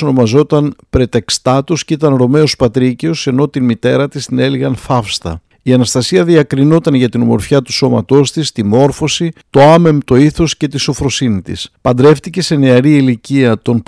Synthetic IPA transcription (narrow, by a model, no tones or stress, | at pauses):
ono̞mɐzo̞t̪ɐnpɾe̞t̪e̞kst̪ɐt̪oscit̪ɐnɾo̞me̞o̞spɐt̪ɾiceo̞se̞no̞t̪inmit̪e̞ɾɐt̪ist̪ine̞liɣɐnfɐfst̪ɐ̰ | iɐnɐst̪ɐsiɐðiɐkɾino̞t̪ɐnʝɐt̪inomo̞̰ɾfçɐt̪u̥so̞mɐ̰t̪o̞st̪ist̪imo̞ɾfo̞sit̪o̞ɐme̞mt̪o̞iθo̞sce̞t̪iso̞fɾo̞sinit̪ḭspɐnd̪ɾe̞ft̪ice̞se̞ne̞ɐɾiiliciɐt̪o̞n